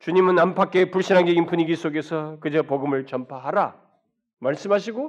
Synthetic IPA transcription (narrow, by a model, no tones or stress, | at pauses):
t͡ɕuɲimɯnampʰak͈e̞puɭɕ͈inɦanɡeɡinpuɲiɡis͈ʰoɡe̞sʰʌkɯd͡ʑʌpoɡɯmɯɭt͡ɕʌmpʰaɦaɾa | maɭs͈ɯmɦaɕʰiɡo